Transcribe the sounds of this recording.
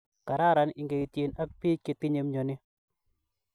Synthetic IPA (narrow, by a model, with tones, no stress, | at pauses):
ka˨ɾa˦ɾa˨˦nɪ˨ŋɡe˨i˨tje˨na˦kpi˦kɪ˦tɪ˦ɲe˨˦mɲo˨nɪ˦